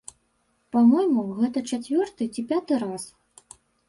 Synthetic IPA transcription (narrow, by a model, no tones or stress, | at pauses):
pamɔjmuɣɛt̪ɐt͡ʂat͡sʲvʲɔrt̪ɨt͡sʲipʲat̪ɨɾas